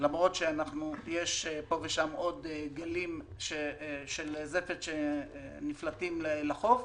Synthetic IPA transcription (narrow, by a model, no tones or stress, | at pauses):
lamʁo̞t̪ʃeanaχnujeʃpo̞veʃamo̞d̪ɡalim | ʃeʃelzefet̪ʃeniflatimlelaχo̞v